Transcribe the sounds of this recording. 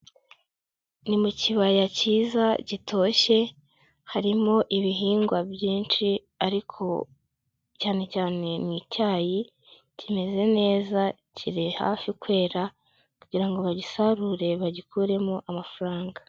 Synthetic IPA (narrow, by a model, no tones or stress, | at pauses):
nimuciβajaciːzaɟitʰo̞ːʃe̞ | haɾimo̞ʔiβiɦiːŋɡwabjiːnt͡ʃi | aɾikʰo̞̰ | caːne̞caːne̞niːcaːji | cime̞ze̞ne̞ːza | cʰiɾiha̰ːfikwe̞ːɾa | kuɟiɾaŋɡo̞βaɟisaɾuɾe̞βaɟikʰuːɾe̞moʔamafaɾaːŋɡa